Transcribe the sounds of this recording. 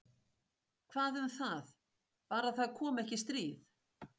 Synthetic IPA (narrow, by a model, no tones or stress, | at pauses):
kʰvaːðʏmθað | paːɾaðθaðkʰɔːmɛhcɪst̪ɾiːð